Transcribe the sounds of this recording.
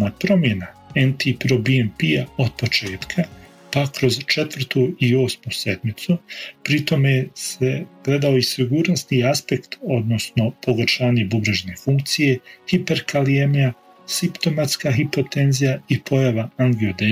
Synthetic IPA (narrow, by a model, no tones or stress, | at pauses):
napɾo̞mje̞naent̪ipɾobiempiaod̪̥̚po̞t͡ʃe̞ːt̪kʰa | pakɾo̞zt͡ʃe̞t̪ʋr̩t̪ʰuio̞ːsmuse̞d̪mit̪supɾit̪o̞me̞se̞ɡ̥le̞d̪ao̞isiɡuːɾnosniaspe̞kt̪o̞d̪no̞sno̞po̞ɡɾʃaːɲe̞bubɾaʒene̞fuŋk̚t̪sije̞hipe̞ɾkaliemija | sipt̪o̞mat̪skaːxipo̞t̪e̞nzijaipʰo̞jaʋaaŋɡiod̪e